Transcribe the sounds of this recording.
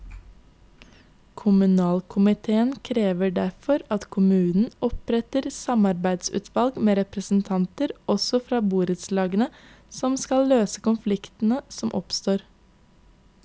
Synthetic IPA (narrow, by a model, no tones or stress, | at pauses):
kʰʊmʉnɑːlkʰʊmɪt̪ʰeːənkʰɾeːʋəɖæɾfɔɾɑt̪kʰʊmʉːnn̩ɔpɾɛt̪əɾsɑmɑɾbæɪd̪sʉ̰ːt̪ʰʋɑlɡmeːɾɛpɾəsn̩t̪ʰɑnt̪əɾʔɔsɔfɾɑːbuːɾəd̪slɑːɡənə | sɔmskɑlløːsə̥kʊnflɪkt̪n̩əsɔmʔɔpst̪oːɾ